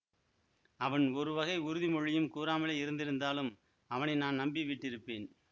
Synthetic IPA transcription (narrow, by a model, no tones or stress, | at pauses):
ɐʋɐnɔɾɯʋɐɣɐɪʊɾɯðimɔɻɪjɯmkuːɾaːmɐlɐɪɾɯnd̪ɪɾɯnd̪aːlɯm | ɐʋɐnɐɪnaːnnɐmbɪʋɪʈːɪɾɯpːeːn